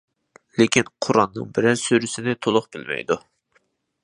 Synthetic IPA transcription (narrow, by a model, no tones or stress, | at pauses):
lekʲʰinqʰʊɾɑnːɨ̰ŋbɪɾæɾsøɾysɪnɪt̪ʰolˠʊχbɪlmɛ̰jd̪u